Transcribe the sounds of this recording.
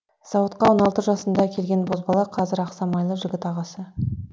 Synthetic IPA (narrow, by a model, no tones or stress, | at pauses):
sɑwət̪̚qɑwonɑlˠt̪əʒɑsənd̪ɑkʲʰe̞lɡʲe̞nbo̞zbɑlˠɑqʰɑzɪɾɑqsɑmɑjlˠəʒɪɡʲɪt̪ɑʁɑsə